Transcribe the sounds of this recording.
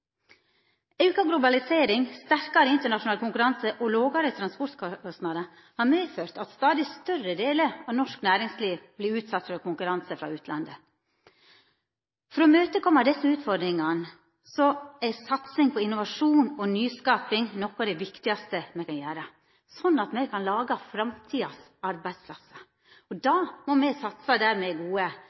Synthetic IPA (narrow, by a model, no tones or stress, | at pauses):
ɛʉːkɑɡlʊbɑlɪseːɾɪŋst̪æɾkɑɾəɪnt̪əɳɑʂʊnɑːləkʰʊŋkʉɾɑnsəʔɔloːɡɑɾət̪ʰɾɑnspɔɾt̪kʰɔɔst̪nɑd̪ə | hɑːɾmeːføːɾt̪ɑt̪st̪ɑːd̪ɪst̪œrəd̪eːləɾɑʋnɔʂknæːɾɪŋsliːʋblɪɾʉːt̪sɑt̪fɔɾkʊŋkʉɾɑnsəfɾɑ̰ʉːt̪ʰlʔɑ̰nd̪ə | fɾɔːmøːt̪əkʰɔmːɑd̪ɛsːəʉːt̪fɔɾd̪ɾɪŋɑn | sɔæsɑt̪sɪŋpʰɔɪnʊʋɑʂuːnɔnyːskɑːpɪŋnɔkːɔd̪ɛɪʋɪkt̪ɪɑst̪əmɛɪkɑnjæːɾə | sɔnːɑt̪mɛɪkʰɑnlɑːɡɑfɾɑmt̪ʰiːɑs | ɑɾbæɪd̪spʰlɑsə̥ | ɔd̪ɑːmɔmɛsɑt̪sɑd̪æːɾmɛɡuːə